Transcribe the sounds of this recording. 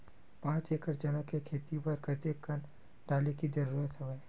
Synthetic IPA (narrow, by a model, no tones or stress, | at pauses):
pãːt͡ʃeːkəɾd͡ʒɐnəkːekʰeːt̪ipɐɾkɐt̪ekən | ɖaːlekid͡ʒɐɾuːɾət̪ɦɐʋej